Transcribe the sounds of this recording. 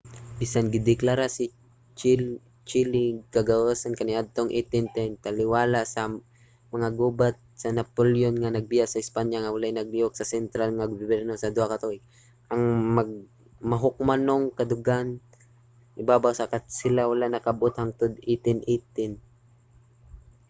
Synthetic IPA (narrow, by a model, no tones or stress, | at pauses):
bisanɡɪd̪ɪklaɾasɪ | t͡ʃ | t͡ʃɪlɪɡkɐɡaʔəsankɐnɪʔad̪̚t̪oŋʔit̪ɪnt̪ɛnt̪alɪwaːlasɐ | mɐŋaɡobat̪̚sɐnapoljonŋanɐɡ̚bɪjasɐɪspaɲaŋawalajnɐɡ̚bioksɐsɛnt̪ɾalŋaɡʊbʊbɛɾnosɐd̪ʊhakat̪ojk | ʔɐŋmɐɡ̚ | mɐɦʊk̚manoŋkɐd̪ʊɡan | ʔɪbaːbawsakat̪sɪlawalanɐkabʔot̪haŋt̪od̪it̪ɪnʔet̪ɪn